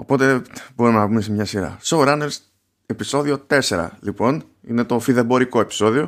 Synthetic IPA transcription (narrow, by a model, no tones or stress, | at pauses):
o̞̰po̞t̪e̞bo̞ɾumenɐpume̞semɲɐsiɾɐ̰sowɾɐnels | e̞piso̞ðio̞t̪e̞se̞ɾɐ̰lipo̞n | ḭne̞t̪o̞fiðebo̞ɾiko̞e̞pi̥so̞ðio̞